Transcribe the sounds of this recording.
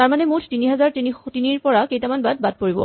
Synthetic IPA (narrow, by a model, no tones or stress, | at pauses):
taɹmanɛmutʰtiniɦɛzaɹtinitiniɹpɔɹakejtamanbad̚bad̚poɹibɔ̰